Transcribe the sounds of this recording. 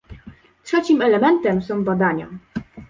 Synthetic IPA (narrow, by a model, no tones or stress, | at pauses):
tʂɛt͡ɕimɛlɛmɛnt̪ɛmsɔ̃w̃bad̪aɲa̰